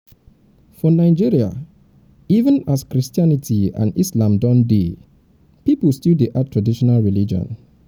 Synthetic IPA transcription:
fɔnaɪd͡ʒiɹia̰ | ivə̃naskɹistianitʰiã̰nislãmdɔ̃nde | pipəlstideʔatʰɹadiʃɔnalɹilid͡ʒɔ̰̃n

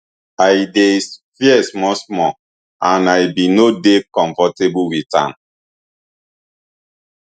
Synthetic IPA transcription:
ajdesfiɛsmɔsmɔ | ãnajbinodekɔ̃ɱfɔtebuwitã̰m

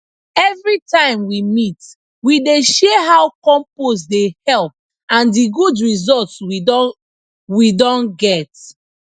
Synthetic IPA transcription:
ɛvɹitãɪ̃mwimit | wideʃeɦawkɔ̃mpos̬dehɛlp̚ | ãndiɡudɹizɔltw | widɔ̃nɡɛt

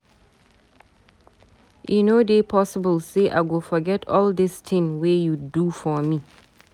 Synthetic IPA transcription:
ʔḭnodepʰɔsəbəlseʔa̰ɪɡofɔɡɛtʰɔlˠdɪstʰɪ̃ŋwejudufɔmi

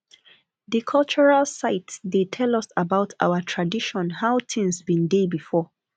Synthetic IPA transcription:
ðikʰɔlt͡ʃuɹalsaɪtdetʰɛlɔsabaʊtʰa̰wətʰɹadiʃɔ̃nhaʊtɪ̃ŋsbĩndebifɔ

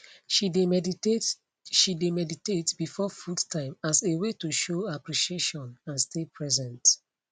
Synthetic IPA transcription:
ʃide | ʃidemɛditetb̥ifɔfudtʰãɪ̃masewetuʃoapɹiʃieʃɔ̃nãnstʰepʰɹɛzɛ̃nt

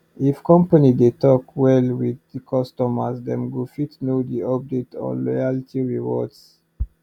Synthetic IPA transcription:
ifkɔ̃mpanidetɔkwɛlwidkʰɔstɔmasdɛ̰̃mɡufitnodiɔp̚detʰɔ̰̃lɔjalitʰiɹiwɔ̰ds

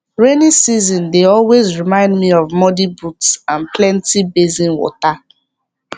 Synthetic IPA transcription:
ɹenisizɔ̃ndeɔlwezɹimãɪ̃ndmiɔvmɔdibutsãnplɛ̃ntibezĩnwɔ̰ta

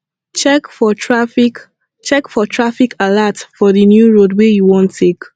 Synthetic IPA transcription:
t͡ʃɛkfɔtɹafik | t͡ʃɛkfɔtʰɹafikʰalatfɔðinjuɹodwejuwɔ̃ntʰːek

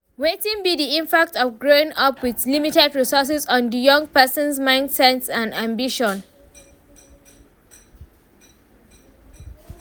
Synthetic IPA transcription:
wetĩŋbidiĩmpak̚tɔvɡɹoɪ̃ŋʌpwiðlimitɛdɹisɔs̬ɛzɔ̃ndjʌ̃ŋ̚pɛsə̃nsmãɪ̃ndsɛnsãnãmbiʃɔ̃n

